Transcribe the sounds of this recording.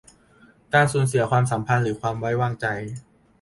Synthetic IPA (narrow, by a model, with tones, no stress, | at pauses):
kaː˧˩nsuː˩˦nsi˨˩˦ɐkʰwaː˧ms̬a˩˦mpʰa˧nɾɯː˩˦kʰwaː˧mwa˦˥jwaː˧˩ŋt͡ɕa˧j